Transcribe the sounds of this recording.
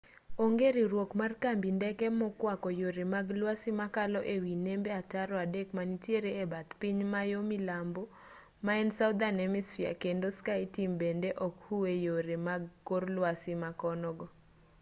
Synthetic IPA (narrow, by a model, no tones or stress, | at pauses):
oŋɡeɾiɾwokmarkambindɛkɛmɔkwakɔjoɾemaɡlwasimakalɔʔewinembeataɾɔadekmanitjeɾeːbat̪piɲmajomilambo | maɛnsawd̪anɛmisfia̰kendoskaitimbendeʔɔkhuwejoɾemaɡkorlwasɪmakɔnɔɡɔ